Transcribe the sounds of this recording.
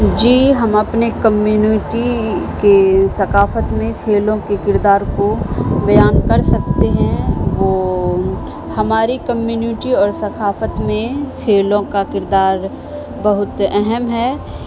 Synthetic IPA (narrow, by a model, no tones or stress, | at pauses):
d͡ʒiːɦɐmɐpnekɐmjuːniʈikesɐkaːfət̪mẽkʰeːlõkekɪɾd̪aːɾkobɐjaːnkɐɾsɐkt̪eɦɛ̃ʋoː | hɐmaːɾikɐmjuːnɪʈiɔːɾsɐkʰaːfət̪mẽkʰeːlõkakɪɾd̪aːɾ | bɐɦʊt̪ɛɦɛmɦɛː